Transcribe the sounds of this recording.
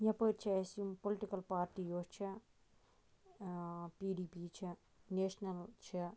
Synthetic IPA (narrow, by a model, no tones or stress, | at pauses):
ɲɐpɐːɾt͡ʃʰɐesjumpoliʈikɐlpaːɾʈiːjoːt͡ʃʰɐ | piːɖiːpiːt͡ʃʰɐ | neːʂnɐlt͡ʃʰɐ